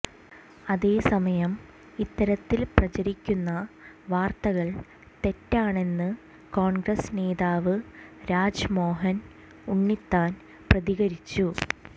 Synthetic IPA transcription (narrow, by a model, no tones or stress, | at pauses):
ɐðe̞ːsɐmɐjɐm | it̪ːɐɾɐt̪ːilprɐt͡ɕɐɾikʲːunːɐʋaːrt̪ɐɣɐɭ | t̪e̞tːaːɳe̞nːɨ | ko̞ːɳɡrɐsne̞ːðaːʋɨɾaːd͡ʑmo̞ːɦɐn | uɳːit̪ːaːn | prɐðiɣɐɾit͡ɕːu